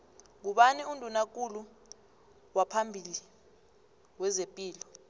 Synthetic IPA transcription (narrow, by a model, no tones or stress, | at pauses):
ŋ̬uɓaniundʱunak̬ʼulu | wapʰambʱili | wɛzepʼiːlɔ